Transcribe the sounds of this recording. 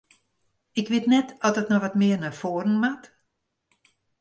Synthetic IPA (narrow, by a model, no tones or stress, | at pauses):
ɪkʋɪtnɛtɔdɔtnɔʋɔtmɪərnafoːəɾən̩mat